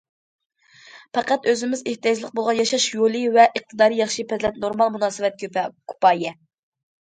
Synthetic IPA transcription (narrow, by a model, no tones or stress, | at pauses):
pɑqæt̪øzɪmɪzeht̪ijɑd͡ʒlˠəq̚bolˠʁɑnjɑʃɑʃjolˠɨvɛʔəχt̪ʰɨd̪ɑːɾijɑχʃipʰɛzlɛt̪̚noɾmɑlˠmunɑːsɨvɛt̪̚kʰʲkʲʰu̥pɑːjɛ